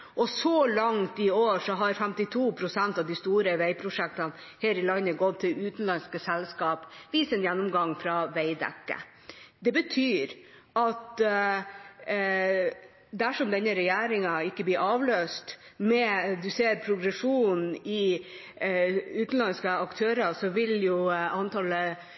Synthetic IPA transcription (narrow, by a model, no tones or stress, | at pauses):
ʔɔsɔlɑŋt̪ɪoːʂɔɦɑɾfɛmt̪ɪt̪ʰuːpʰɾʊsænt̪ɑʋd̪ɪst̪uːɾəʋæɪpʰɾʊʂɛk̚t̪ɑn | heːɾɪlɑnːəɡɔt̪ʰːɪlʉːt̪n̩lɑnskəsɛlskɑːpʋiːsɛnjɛnːʊmɡɑŋfɾɑʋæɪd̪ɛ̰kːə̰ | d̪ɛbət̪ʰyːɾ | ʔɑt̪ | d̪æʂɔmd̪ɛnːəɾɛjæːɾɪŋɑɪkːəblɪɾʔɑːʋløːst̪mɛd̪ʉseːɾpʰɾʊɡɾɛʂuːnn̩ɪ | ʉːt̪n̩lɑnskəɑkt̪ʰøːɾɑsɔʋɪljʊɑnt̪ʰɑlə